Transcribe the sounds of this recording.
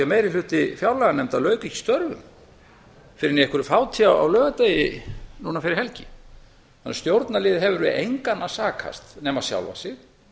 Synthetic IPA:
ɛmejɾɪlʏht̪ɪfjawlɛɣanɛmt̪alœːɥkicɪ̥st̪œɾvʏ̰m | fɪɾɪɾnɛɛhkvʏɾʏfaːwt̪ʰiawa̰wlœːɣat̪eːjɪnunafɪɾɪɾhɛlcɪ̥ | θanːst̪jowɾt̪nalɪːðɪɦɛvʏɾvɪejŋkanːasaːkʰa̰st̪nɛːmaðsja̰wlva̰sɪx

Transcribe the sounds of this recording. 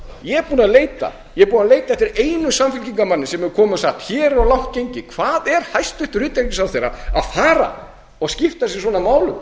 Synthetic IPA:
jɛɛɾpuːnaðleːjt̪a̰ | jɛɛɾpuːnaðleːjt̪aɛht̪ɪɾeːjnʏsamfɪlciŋkamanːɪsɛmɛkʰɔːmʏɔsaht̪çɛːɾɔɣlawhcejɲcɪkʰv̥aːðɛɾ̥hajst̪ʏht̪ʏɾʏːt̪eɾc̪ɪsawθejɾa̰a̰ðfaːɾa̰ | ɔɣscɪft̪asjɛ̥swɔːnamaːwlʏm

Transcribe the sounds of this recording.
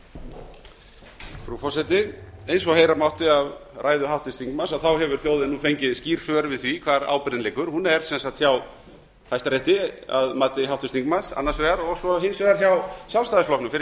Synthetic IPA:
fɾufɔsɛt̪ɪejnsɔhejɾamawht̪ɪavrʔaːjðʏɦawht̪ɪst̪iŋkmasawθawɦɛvʏɾ̥θjowðɪnːufejɲcɪðsciːɾ̥svœɾvɪðθvikʰvaːɾa̰ːwpɾɪɪnlejkʏɾ̥hunɛɾ̥sɛnsat̪çaw | θajst̪aɾjeht̪ɪa̰ðmaːt̪ɪɦawht̪ɪst̪ʰiŋkmansa̰nːasvɛɣaɾɔɣsɔɦensvɛɣaɾ̥çawsjalst̪aðɪsplɔhknʏfɪɾ

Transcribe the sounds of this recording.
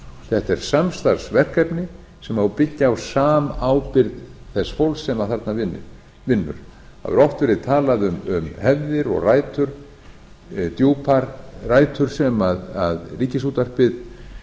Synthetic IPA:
θɛht̪ɛɾ̥samst̪aɾ̥svɛr̥kapnɪ | sɛmawpɪcːɪawsaːmaːwpɪɾðθɛsfowlsːɛmaθaɾt̪navɪnːɪ̰ɾ | vɪnːʏ̰ɾ̥a̰vɛ̰ɾɔft̪vɛɾɪðt̪ʰaːlaðʏmʏmhɛvðɪɾɔ̰ɣraːjt̪ʰʏɾ̥ | t̪jowpʰaɾraːjt̪ʰʏɾ̥sɛmaðaðriːcɪsut̪ar̥pɪð

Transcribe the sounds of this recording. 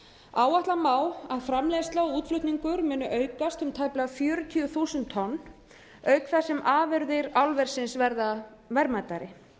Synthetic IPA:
aːwaht̪lamaːwaðfɾamlɛːðst̪laɔuːt̪flʏht̪niŋkʏɾmʏːnʏʔœːɥkast̪ʏmt̪ʰajplafjœːɾʏt̪ʰiʏθuːsʏnt̪ʰːɔnː | œɥkfɛsɛmʔaːvʏɾðɪɾawlvɛɾ̥sɪnsvɛɾða | vɛɾmat̪aɾɪ

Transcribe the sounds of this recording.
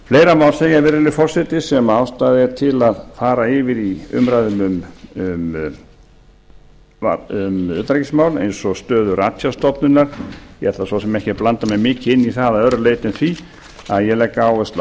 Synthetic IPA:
fleːjɾamaːwlsɛːjaɾvɛːɾɪlɪfɔr̥sɛt̪ɪsɛmawst̪aðɛɾ̥t̪ʰɪlaðfaːɾaɪvɪɾiʏ̰mɾajðʏmʏmʏm | a̰ʏmʏ̰ːt̪ɾɛcɪsmawlḛjnsɔɣst̪œːðʏɾat̪jast̪ɔpnʏnːaɾ̥ɛt̪lasvɔsɛmɛhcɪplant̪amɛmɪːcɪɪnːiθaðaœɾleːjt̪ɪnθvi | aðjɛlɛkːaaːwɛst̪l

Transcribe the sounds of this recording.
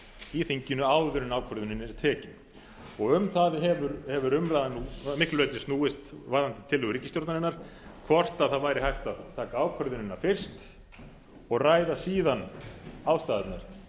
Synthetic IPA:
iθiɲcɪnːʏaːwðʏɾʏnaːwkʰvœɾðʏnɪnɛɾt̪ʰɛːcɪn | ɔɣʏmθaðɦɛvʏɾhɛvʏɾʏmɾajðanːumɪklʏvɛjt̪ɪstnuːɪst̪vaːɾðant̪ɪ̥t̪ʰɪlːʏɣɾicːɪst̪joɾt̪nanɪnːaɾ̥ | kʰvɔr̥t̪aðθaðvaːjɾɪɦajht̪aðt̪ʰaːkaaːwkʰvœɾðʏnɪnːaɾfɪr̥st̪ | ɔɣraːjðasiːðanawst̪aːðɛt̪naɾ̥

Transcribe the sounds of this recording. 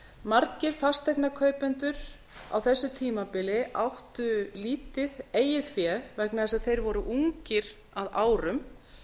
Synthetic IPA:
maɾcɪɾ̥fast̪ɛknakʰœːɥpɛnt̪ʏɾ̥ | a̰wθɛsːʏt̪ʰiːmapɪlɪʔawht̪ʏliːt̪ɪðeːjɪðfjɛvɛknaðɛs̬aðθejɾvɔɾʏʔuŋcɪɾ̥ | aðaːwɾʏm

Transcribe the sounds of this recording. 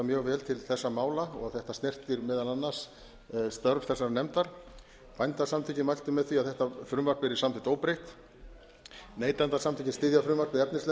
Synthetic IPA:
amjœːɣvɛːlt̪ʰɪlθɛsːamaːwlaɔɣaθɛht̪asnɛr̥t̪ɪɾmɪːðalanːas | st̪œɾvθɛsːaɾnɛmt̪aɾ̥ | pajnt̪asamt̪ʰiːcɪmajl̥t̪ʏmɛðθviaðθɛht̪afɾʏmvaɾkpvɪɾɪsamt̪ʰɪt̪oːwpɾejht̪ | neːjt̪ant̪asamt̪ʰiːcɪnst̪ɪðjafɾʏmvaɾkpɪðɛpnɪslɛ

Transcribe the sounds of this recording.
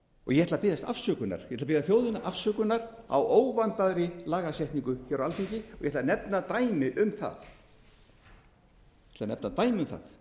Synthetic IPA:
ɔ̰ɣjɛhɛt̪ʰlapɪːðast̪a̰fsœkʏna̰ɾ̥jɛt̪lapɪðaθjowðɪnaʔafsœːkʏnːaɾa̰wʔoːwvant̪aðɾɪlaːɣasɛht̪niŋkʏçɛɾawalfiɲcɪɔɣjɛt̪anɛpnat̪aːjmɪʔʏmθa̰ð | jɛt̪ʰɪlanɛ̰pnat̪aːjmɪʏmθa̰ð

